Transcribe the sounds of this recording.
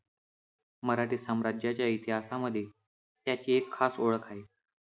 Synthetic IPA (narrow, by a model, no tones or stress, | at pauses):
məɾaʈiːsəmɾad͡ʑjat͡ɕjait̪iɦasaməd̪ʱːje | t̪jat͡ɕiːekʰːasoɭəkʰaɦi